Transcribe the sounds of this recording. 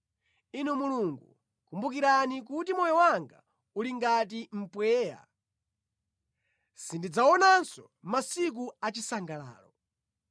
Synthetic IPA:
inɛmuluŋɡṵ | kumbuk̬iɾanik̬utimɔjɔwaŋɡa̰ | uliŋɡat̬im̩pwɛːja̰ | sindid͡zaɔnansɔ | masik̬uat͡ʃisaŋɡala̰ːlɔ

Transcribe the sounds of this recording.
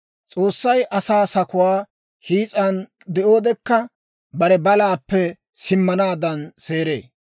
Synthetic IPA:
t͡sʼo̞ːsːɐjʔɐsaːsɐkʊwaː | hiːt͡sʼɐn | d̪ɛʔo̞ːd̪ɛkːɐ | bɐɾɛbɐlaːpːɛ | sɪmːɐnaːd̪ɐnse̞ːɾe̞̰ː

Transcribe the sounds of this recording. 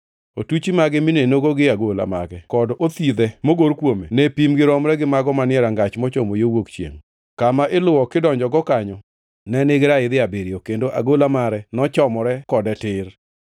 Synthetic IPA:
otut͡ʃimaɡɪminenoɡoɡɪaɡola̰ma̰ɡɛkɔdot̪id̪ɛmoɡoɾkwomḛnɛpimɡɪɾɔmɾɛɡɪmaɡɔmanɪɛɾaŋɡat͡ʃmɔt͡ʃomojowokt͡ʃjḛŋ | kamaʔɪlʊwɔkɪdɔɲd͡ʒɔɡɔkaɲɔ | nɛnɪɡɪɾaɪd̪ɪabeɾiokendoʔa̰ɡolamaɾɛnɔt͡ʃɔmɔɾɛkɔdɛtɪr

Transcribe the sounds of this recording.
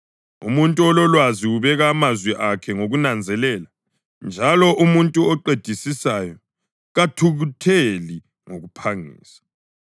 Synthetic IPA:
ṵmuntʼuɔlɔlwaziuβɛɣaːmazwiʔakʰɛŋoɣunand͡zʱɛlɛla | nd͡ʒʱalɔʔumuntʼuɔǃed̥ʱisisaːjɔ | ɣatʰuɣutʰeli | ŋoɣupʰaŋḭːsḁ

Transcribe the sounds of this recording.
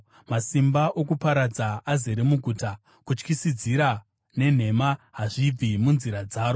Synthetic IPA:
masimbaʔokupaɾad͡zaazeɾemuɡʱuːta | kut͡ʃkisid͡ziɾa | ne̞n̤e̞maɦaʐib͡vimunziɾad͡zaːɾo

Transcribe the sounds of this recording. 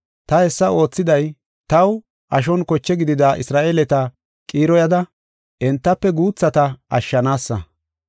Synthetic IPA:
t̪ɐhɛsːɐo̞ːt͡sːɪd̪ɐj | t̪ɐw | ʔɐʃ̬ɔnkɔt͡ʃːɛɡɪd̪ɪd̪aːʔɪsɾaːʔeːlɛt̪ɐ | kʼiːɾɔjɐd̪ɐ | ʔɛnt̪ːɐpːɛɡuːt͡sːɐt̪ɐɐ̰ʃːɐnaːsːɐ̰

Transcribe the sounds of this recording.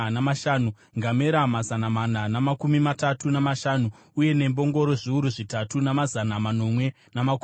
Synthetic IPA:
namaʃaːnu | ŋɡameɾamazanamananamakumimatatunamaʃaːnuː | je̞ne̞mbo̞ŋɡo̞ɾo̞ʐiuɾuʐitatunamazanamano̞mwe̞ | namak

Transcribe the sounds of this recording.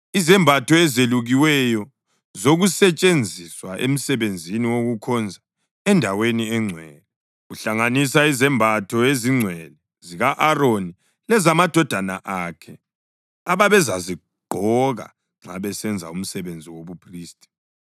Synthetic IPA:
izɛmbʱatʰɔɛzeluɣiwɛjɔ | zoɣusɛt͡ʃʼend͡zʱiswaʔḛm̩sɛβend͡zʱiniwoɣukʰɔnd͡zʱa | ɛndʱaweniɛŋ͡ǀʱwɛːlɛ | ɣuɬaŋanisaizɛmbʱatʰɔeziŋ͡ǀʱwɛlɛ | ziɣaʔaroni | lɛzamad̥ʱɔd̥ʱana̰ʔakʰɛ | aβaβɛzazi | ɡ͡ǃʱɔɣa̰ | ŋ͡ǁa̰βɛsɛnd͡zʱa̰um̩sɛβend͡zʱiwoβupʰriːstʼi̥

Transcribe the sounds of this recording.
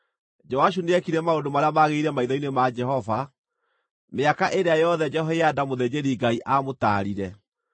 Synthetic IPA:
d͡ʒɔaʃ̬uneɛkiɾɛmaodomaɾeamaɣeiɾɛmaiðɔinemad͡ʒɛɦɔva | meakaʔeɾeajɔðɛd͡ʒɛɦɔeadamoðed͡ʑeɾiɡaiʔamota̰ɾiɾɛ

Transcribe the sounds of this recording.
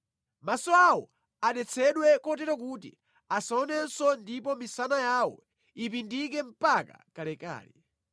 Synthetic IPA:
masɔawɔ | aɗɛt͡sʰɛɗwɛkɔtɛɾɔk̬utḭ | asaɔnɛnsɔndipɔmisanajawɔ̰ | ip̬indik̬ɛm̩paka̰kalɛka̰ːlɛ

